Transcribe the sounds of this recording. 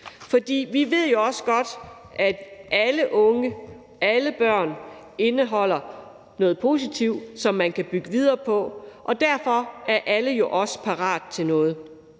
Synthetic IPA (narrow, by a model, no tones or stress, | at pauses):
fɒ̽d̥ḭːʋiʋe̝ð̞̰ˠjo̝ɒ̽sə̥ɡ̥ɒ̽d̥ | ʔæd̥ʔæləʔɔ̽ŋə | æləb̥ɶɐ̰n | e̝nəɦɒ̽l̰ɐ | nɔ̽ːð̞̩ˠpʰo̝̰ːs̬it͡sʰiʊ̰̥sɒ̽mːænkʰæb̥yɡ̥əʋið̞ˠɐːpʰɒ̽ʔɒ̽d̥æɐfɒ̽æɐʔæləjo̝ʔɒ̽sə̥pʰɑ̈ʁɑ̰̈ːd̥̚t͡sʰe̝nɔ̽ːð̞̩ˠ